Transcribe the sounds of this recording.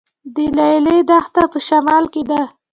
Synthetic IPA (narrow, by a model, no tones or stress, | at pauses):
d̪əlajled̪axt̪apəʃamɑlked̪a